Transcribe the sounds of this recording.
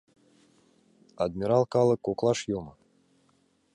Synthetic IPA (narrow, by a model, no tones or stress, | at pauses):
ad̪mʲiɾɑlˠkɑlˠɤ̆kːoklˠɑʃjomɤ